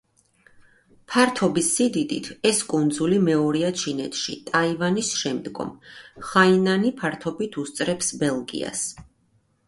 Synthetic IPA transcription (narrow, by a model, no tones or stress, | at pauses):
pʰaɾt̪ʰɔbisːid̪id̪ḭt̪ʰɛskʼund̪zulimɛɔɾiat͡ʃʰinɛ̰t̪ʰʃḭt̪ʼaivanisʃɛmd̪ɡɔ̰mχainanipʰaɾt̪ʰɔbit̪ʰust̪sʼɾɛpsbɛlˠɡḭa̰s